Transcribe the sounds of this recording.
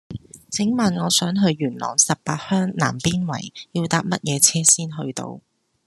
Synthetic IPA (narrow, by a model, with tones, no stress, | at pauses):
t͡sʰɪ˨˥ŋmaː˨nŋɔː˨˧sœː˨˥ŋɦɵ˧ɥːyː˨˩nlɔ̰ː˨˩ŋsɐ˨p̚paː˧t̚hœː˥ŋna̰ː˨˩mpiː˥nwɐ̰˨˩jjiː˧wt̪aː˧p̚mɐ˥t̚jɛː˨˧t͡sʰɛː˥siː˥nɦɵ˧ɥt̪o̰˧w